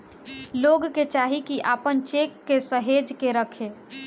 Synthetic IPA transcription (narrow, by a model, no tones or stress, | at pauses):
loɡket͡ʃaɦikiʔaːpənt͡ʃekːesəɦed͡ʒkeɾəkʰe